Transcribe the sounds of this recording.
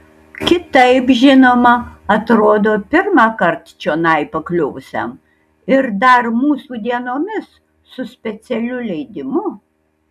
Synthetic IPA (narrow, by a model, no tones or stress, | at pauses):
kʲɪt̪ɐɪpʒʲɪnoːmɐɐt̪ɾoːd̪oːpʲɪɾmɑːkɐɾt̪t͡ʃʲoːnɐɪpɐklʲʊʊsʲɛ̰m | ɪɾd̪ɐɾmuːsuːd̪ʲiɛnoːmʲɪsː | ʊsʲpʲɛt̪sʲɛlʲʊlʲɛɪd̪ʲɪmʊ